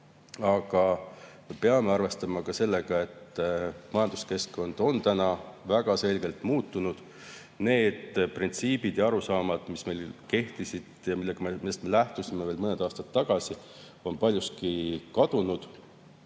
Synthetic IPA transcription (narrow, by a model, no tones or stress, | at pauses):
ɑɡ̥ɑmepeɑme̞ɑrve̞st̪ɑmɑkɑse̞lːeɡ̥ɑe̞t̪ːmɑjɑnd̪̥u̥ske̞sko̞nd̪̥o̞nt̪ænɑvæɡ̥ɑse̞lɡe̞lt̪ˑmuːt̪ːˑunud̪̥ | ne̞ːd̪̥print̪siːbid̪̥jɑɑɾusɑːmɑd̪̥misme̞jlke̞ht̪isid̪̥jɑmilːeɡ̥ɑmemid̪est̪me̞læht̪usime̞veːlmɤned̪̥ɑːst̪ɑt̪ːɑɡ̥ɑsi | o̞npɑlʲjuskikɑd̪̥unud̪̥